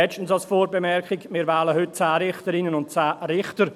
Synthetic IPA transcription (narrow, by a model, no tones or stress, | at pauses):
ɛt͡ʃtn̩sɑlsfɔːɾbemɛrkɪɡmɪːɾvaːləhʏt̚t͡saːɾɪχtəɾɪnənʊnt̚t͡saːɾɪχtəɾ